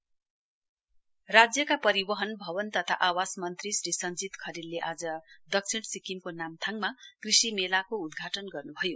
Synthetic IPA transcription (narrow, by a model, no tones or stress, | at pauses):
rad͡zjʌkapʌɾibʌɦʌnbʱʌβʌnt̪ʌt̪ʰa̰ʔawasmʌnt̪risɾisʌnd͡zit̪kʰʌɾilleʔad͡zʌd̪ʌk̚t͡sʰiɽsikimkonamt̪ʰaŋɡmakrisimelakoud̪ɡʱaʈʌnɡʌrnubʱʌjo